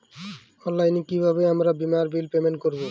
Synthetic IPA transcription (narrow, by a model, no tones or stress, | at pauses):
ɔlːajnikibʱaβeamɾabimaɾbilpemenkoɾbo